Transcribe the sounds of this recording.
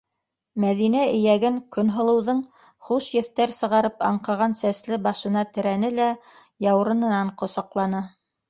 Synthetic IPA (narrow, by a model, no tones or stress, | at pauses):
mæðinæɘ̆jæɡɘŋkɵ̆nɦŏlˠɤ̆wðɤɴ | χuʃjɘ̆θt̪æɾsɤ̆ʁɑɾɤpɑɴqɑʁɑnsæslɘbɑʃɤ̆nɑt̪ɘ̆ɾænɘlæ | jɑw̆ɾɤ̆nɤ̆nɑɴqŏsɑqlˠɑnɤ